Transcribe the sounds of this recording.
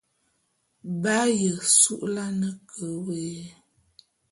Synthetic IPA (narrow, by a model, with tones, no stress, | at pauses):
ba˦jə˨su˦ʔla˦nə˦kʰə˨˦we˨˦